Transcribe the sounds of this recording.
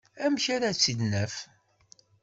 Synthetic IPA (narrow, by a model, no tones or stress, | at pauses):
æmçaɾat͡sːid̪næf